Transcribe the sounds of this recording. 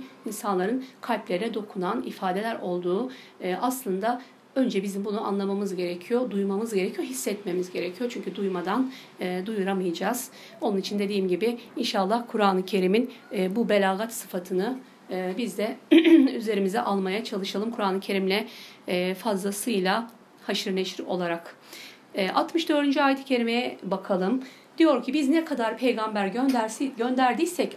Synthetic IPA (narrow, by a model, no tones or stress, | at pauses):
insanlˠaɾɯnkʰalʲplʲe̞ɾinɛd̪o̞kʰunanifaːd̪e̞lʲæɾo̞lˠd̪uː | aslˠɯnd̪a | ø̞nd͡ʒɛbizimbunua̰nlˠamamɯzɟe̞ɾecʰijod̪ujmamɯzɟe̞ɾecʰijoɦisːɛt̪me̞mizɟe̞ɾɛcʰijot͡ʃʰyɲcʰyd̪ujmad̪anː | d̪ujuɾamɯjad͡ʒaːz̥ | o̞nunit͡ʃʰind̪e̞d̪iːmɟibɪinʃalˠːahkʰuɾaːlˠɯcʰe̞ɾiminːbube̞lʲaːɣat̪sɯfat̪ʰɯnɯ | bizd̪ɛyze̞ɾimizɛʔalˠmajat͡ʃʰalˠɯʃalˠɯmkʰuɾaːnˠɯcʰe̞ɾimlʲɛ | fazlˠasɯjlʲˠa | haʃɯɾneʃiɾo̞̰lˠaɾakː | ʔalˠt̪mɯʃd̪ø̞ɾd̪ynd͡ʒyaːjt̪ʰi̥cʰe̞ɾimejɛbakʰalˠɯm | d̪̥ijo̞ɾcʰibiznɛkʰad̪aɾpʰe̞jɡambæɾɟønd̪sɟønd̪æɾd̪ijsɛc